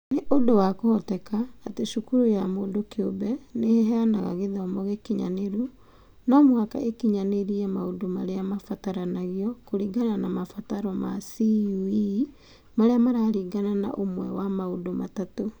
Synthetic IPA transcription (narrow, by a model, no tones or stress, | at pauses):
neʔodowakohɔtɛkaːteʃukuɾojamoːdokeobɛneɦɛanaɣa̰ɣeðaːmɔɣekiɲa̰neɾu | namwaka̰ʔekiɲaneɾiɛmaodomaɾeamafataɾanaɣiɔkoɾiːɡananamafataɾɔma̰siui | maɾeamaɾaːɾiːɡanana̰ʔomwɛwamaodoma̰tato